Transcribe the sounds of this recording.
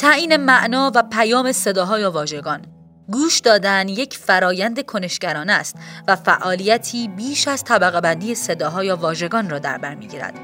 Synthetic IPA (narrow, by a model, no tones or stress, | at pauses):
t̪ʰæʔiːne̞mæʔnɒːvæpʰæjɒːme̞se̞d̪ɒːɦɒːjɛvɒːʒe̞ɡɒːn | ɡuːʃd̪ɒːd̪ænje̞cʰfæɾɒːjænd̪e̞kʰone̞ʃɡ̥æɾɒːnæst̪væfæʔɒːlijæt̪ʰiːbiːʃæz̥t̪ʰæbæɣebænd̪ijese̞d̪ɒːɦɒːjɒːvɒːʒe̞ɡɒːnrɒːd̪æ̰ɾbæɾmiːɟiːɾæ̰d̪̥